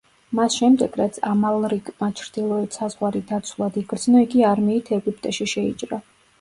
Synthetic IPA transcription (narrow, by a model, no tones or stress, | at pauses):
masʃɛmd̪ɛɡ̥ɾat̪sʰamalˠɾiɡmat͡ʃʰɾd̪ilˠɔɛt̪sazʁwaɾid̪at̪sʰwulˠad̪iɡɾd̪znɔiɡiaɾmiːt̪ʰɛɡup̚ʰʼt̪ʼɛʃiʃɛḭt͡ʃʼɾa